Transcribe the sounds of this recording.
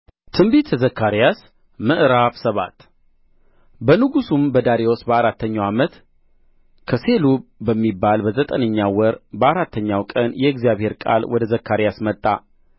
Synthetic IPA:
t̪ʰɨmbit̪ʰːəzəkʰːaɾijas | mɨʔɾafsəβa̰t̪ | bənɨɡusumbəd̪aɾewosbəaɾat̪ʰːəɲːawamət̪ | kʰəse̞lubəmːibːalbəzət̪ʼənəɲːawɔɾbəaɾat̪ʰːəɲːawkʼənjɛɪɡzjaβhe̞ɾkʼa̰lwʔɔd̪əzəkːaɾijasmət̪ʼːa

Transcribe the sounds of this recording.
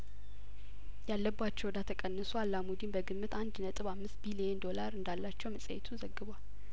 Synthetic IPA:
jalːəbːat͡ʃːɛwd̪at̪ʰəkʼənːəsualːamud̪inbəɡɨmːɨt̪and̪nət̪ʼɨβamːɨst̪̚bilijend̪o̞laɾɨnd̪alːat͡ʃːɛwməsʼə̰jɛt̪ʰuzəɡːɨbal

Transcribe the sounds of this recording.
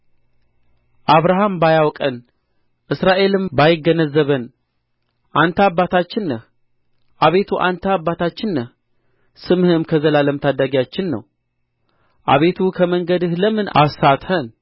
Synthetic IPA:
ʔaβɾaɦambajawkʼən | ʔɨsɾaʔe̞lɨmbajɪɡənəzːəβən | ʔant̪ʰabat̪ʰat͡ʃːɪnːəh | ʔaβe̞t̪ʰuʔant̪ʰəabːat̪ʰat͡ʃːɪnːəh | sɨmhɨmkʰəzəlaləmt̪ʰad̪aɡjat͡ʃːɪnːə̰w | ʔa̰βe̞t̪ʰukʰəməŋɡəd̪ɨhləmɨna̰sat̪hən

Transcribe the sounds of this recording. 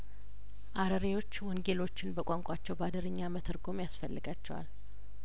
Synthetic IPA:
ʔaɾəɾewo̞t͡ʃːwɔŋɡe̞lo̞t͡ʃːɪnbəkʼaŋkʷʼat͡ʃːɛwbad̪əɾɨɲːamət̪ʰɨɾɡo̞mjasfəlːɨɡat͡ʃːɛwa̰l

